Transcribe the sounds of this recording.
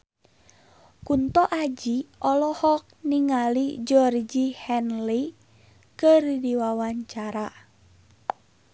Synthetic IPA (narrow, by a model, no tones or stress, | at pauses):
kunt̪ɔʔad͡ʒiʔɔlɔhɔk̚niŋalid͡ʒɔrd͡ʒihɛnli | kərdiwawaɲt͡ʃaɾa